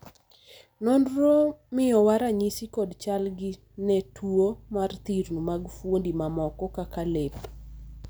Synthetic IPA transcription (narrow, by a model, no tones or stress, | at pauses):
nondɾomɪjɔwaɾaɲisikɔdt͡ʃalɡɪ | nɛtʰuomart̪iɾnumaɡfwondimamɔkɔkakalep